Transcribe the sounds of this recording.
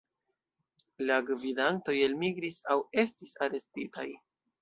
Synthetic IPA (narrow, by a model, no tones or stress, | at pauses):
laɡvidanto̞je̞lmiɡɾisawe̞stisaɾe̞stitaj